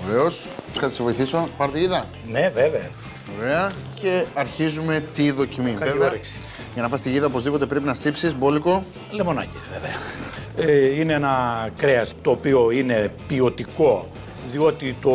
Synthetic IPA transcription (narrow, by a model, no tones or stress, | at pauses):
veveo̞s | kɐt̪isevo̞jiθiso̞pɐɾot̪iʝiðɐ | neveveɐ̰ | veveɐ | ce̞ɐɾçizume̞t̪iðo̞cimieveɐɾiksi̥ | ʝɐnɐfɐst̪iʝiðɐopo̞zðipo̞t̪e̞pɾe̞pinɐst̪ipsizbo̞liko̞ | lemo̞nɐ̰civeveɐ | ineenɐkɾeɐst̪o̞ːpioine̞pio̞t̪iko̞ | ðio̞t̪it̪o